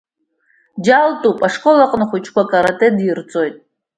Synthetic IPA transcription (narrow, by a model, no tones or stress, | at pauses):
d͡ʒaltʼupʼaʂkʼo̞laqʼnɨχʷut͡ʃʰkʷʰakʼaɾatʼedirt͡sʼo̞jtʼ